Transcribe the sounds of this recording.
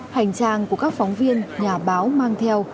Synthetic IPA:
ha˨˩jŋ̟t͡ɕaː˧˩ŋku˧˩əkaː˦˥k̚fɔ˨˦wŋ͡mvi˧ənɲaː˨˩ɓaː˨˦wmaː˧ŋt̪ʰɛ˧əw

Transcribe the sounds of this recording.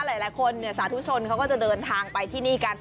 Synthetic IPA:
laː˨˩˦jlaː˩˦jkʰo˧nːi˦˩˨saː˨˦t̪ʰu˦˥t͡ɕʰo˧nkʰa˦˥wkɔː˥˩t͡ɕa˨˩dɤː˧nt̪ʰaː˧ŋpa˧jt̪ʰiː˥˩niː˥˩kaː˧n

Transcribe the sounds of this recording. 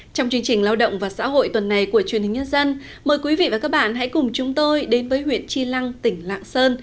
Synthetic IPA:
t͡ɕɔ˧wŋ͡mt͡ɕɨ˧əŋt͡ɕï˨˩ŋ̟laː˧wɗə̰˧˨wŋ͡mvaː˨˩sa̰ː˧˥ɦo̰˧˨jt̪wə˨˩nːa˨˩jku˧˩ət͡ɕwənhï̟˨˩ɲə˧nzə˧n | məː˨˩jkwi˨˦vḭ˧˨vaː˨˩kaː˦˥k̚ɓa̰ː˧˨nɦa̰˧˥jkʊ˨˩ŋ͡mt͡ɕʊ˨˦ŋ͡mt̪o˧jɗe˨˦nvəː˨˦jhwḭ˧˥ənt͡ɕi˧la˧ŋt̪ï˧˩ŋ̟la̰ː˧˨ŋsəː˧n

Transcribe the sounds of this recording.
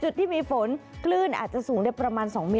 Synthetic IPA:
t͡ɕu˨˩t̪̚ʰːiː˥˩miː˧fo˩˦nkʰlɯː˥˩nʔa̰ː˨˩t̪̚t͡ɕa˨˩ʔsuː˩˦ŋdaː˥˩jpɾa˧maː˧nsɔː˩˦ŋmiː˧

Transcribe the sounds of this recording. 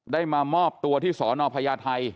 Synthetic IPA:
daː˥˩jmaː˧mɔː˥˩p̚t̪u˧ɐt̪ʰiː˥˩sɔː˩˦nɔː˧pʰaː˧jaː˧t̪ʰa˧j

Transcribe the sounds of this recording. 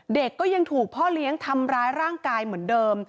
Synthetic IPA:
de˨˩kːɔː˥˩ja˧ŋt̪ʰuː˨˩k̚pʰɔː˥˩li˦˥əŋt̪ʰa˧mɾaː˦˥jɾaː˥˩ŋkaː˧jmɯ˩˦əndɤː˧m

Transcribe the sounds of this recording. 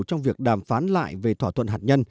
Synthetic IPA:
wt͡ɕɔ˧wŋ͡mvi˨˩ək̚ɗaː˨˩mfaː˨˦nla̰ː˧˨jve˨˩t̪ʰwaː˧˩t̪ʰwə̰˧˨nɦaː˨˩t̚ɲə˧n

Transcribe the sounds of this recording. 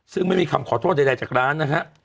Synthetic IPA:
sɯ˥˩ŋma˥˩jmiː˧kʰa˧mkʰɔː˨˩˦t̪ʰoː˥˩t̪̚a˧da˧t͡ɕaː˨˩k̚ɾaː˦˥nːa˦˥kʰa˦˥ʔ

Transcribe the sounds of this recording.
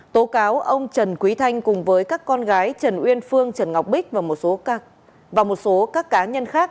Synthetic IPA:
t̪o˨˦kaː˨˦wʔə˧wŋ͡mt͡ɕə˨˩nkwi˨˦t̪ʰa˧jŋ̟kʊ˨˩ŋ͡mvəː˨˦jkaː˦˥kːɔ˧nɣaː˨˦jt͡ɕə˨˩nʔwi˧ənfɨ˧əŋt͡ɕə˧˩nŋa˨˩wk͡p̚ɓï˦˥k̟̚vaː˨˩mo˨˩t̚so˨˦ | vaː˨˩mo˨˩t̚so˨˦kaː˦˥kːaː˨˦ɲə˧nxaː˦˥k̚

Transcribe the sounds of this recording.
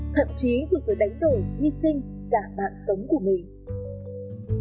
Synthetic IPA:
t̪ʰə̰˧˨mt͡ɕi˨˦zu˨˩vəː˨˦jɗa˨˦jŋ̟ɗoː˨˩hwi˧sï˧ŋ̟ | kaː˧˩ɓa̰ː˧˨nsə˨˦wŋ͡mku˧˩əmï˨˩ŋ̟

